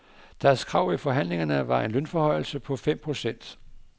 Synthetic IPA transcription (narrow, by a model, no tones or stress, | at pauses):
d̥æɐskʰʁɑ̈ʊ̰ifɒ̽ɦæn̰le̝ŋɐnəʋɑ̈e̝nlønfɒ̽hɒ̽ɪl̩səpʰɒ̽fem̰pʰʁo̝sen̰d̥